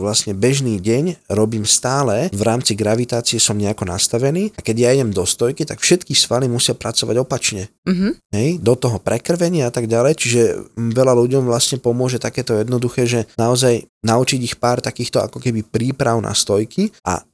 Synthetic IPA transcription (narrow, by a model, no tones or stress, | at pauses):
ʋlasɲɛbɛʒniːɟɛɲɾɔbiːmst̪aːlɛvɾaːmt͡siɡɾaʋit̪aːt͡siɛsɔmɲɛakɔna̰st̪aʋɛniːakɛɟjaɛɟɛmd̪ɔst̪ɔjkit̪akfʃɛt̪kisʋalimusɪapɾʔat͡sɔʋa̰ɟɔpat͡ʃɲɛɦɦɛjd̪ɔt̪ɔɦɔpɾɛkr̩ʋɛɲɪaat̪aɡɟalɛjt͡ʃiʒɛʋɛlaluɟɔmvlasɲɛpɔmʊɔʒɛt̪akɛːt̪ɔjɛd̪nɔd̪uxɛːʒɛnaɔzajnaut͡ʃiɟixpaːɾt̪akiːxt̪ɔa̰kɔkɛbipɾiːpɾaʊna̰st̪ɔjkiʔa̰